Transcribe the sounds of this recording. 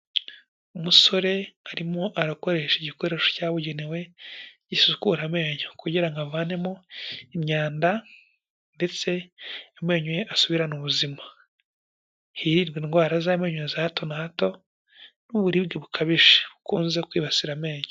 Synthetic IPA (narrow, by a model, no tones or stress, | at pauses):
umuso̞ɾe̞aɾimoʔaɾako̞ɾe̞ːʃeɟiko̞ɾe̞ːʃocaːβuɟenewe̞ɟisukuɾame̞ːɲokuɟiɾaŋɡavaːne̞mo̞imɲaːnda | nde̞t͡se̞ːme̞ːɲujeʔasuβiɾanuβuzima | hiɾiɾɡiːnɡwaːɾazame̞ːɲujezahto̞nahato̞ | nuβuɾiːbɡeβukʰaβiʃe̥βukuːnzekwiːβasiɾame̞ːɲo